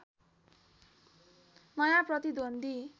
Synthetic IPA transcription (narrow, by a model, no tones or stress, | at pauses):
mʌjaprʌt̪id̪ond̪i